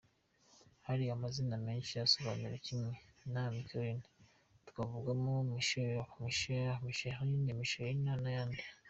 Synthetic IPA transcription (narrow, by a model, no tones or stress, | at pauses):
haɾiamaziname̞ːnʃijasoβa̰niɾecimŋe̞namikoɾine | tu̥kavuɡamomiʃujomiʃojamiʃainimiʃoɾjinaːnajaːndi